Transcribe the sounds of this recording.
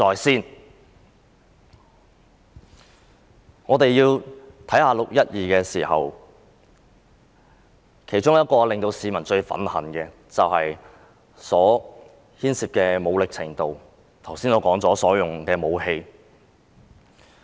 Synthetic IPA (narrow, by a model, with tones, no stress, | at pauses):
ɔː˨jsiː˥˩n | ŋɔː˨˧t̪e˨jjiː˧wt̪ʰɐ˨˥jhaː˧lʊ˨k̚jɐ˥t̚jiː˨kɛː˧siː˨˩hɐ̰˨w | kʰe˨˩jt͡ʃʊ˥ŋjɐ˥t̚kɔː˧lɪ˨ŋt̪o˧wsiː˨˧mɐ˨˩nt͡ʃɵ˧ɥfɐ̰˨˥nhɐ˨˩nkɛː˧ | t͡sɐ˨whɐ˨j | sɔː˨˥ | hiː˥nsiː˨p̚kɛː˧mo˨˧wlɪ˨k̚t͡sʰɪ̰˨˩ŋt̪o˨w | t̪ʰɐ˨˩wsiː˥nɔː˧˩kɔː˨˥ŋt͡sɔː˨˥sɔː˨˥jʊ˨ŋkɛː˧mo˨˧whe˧j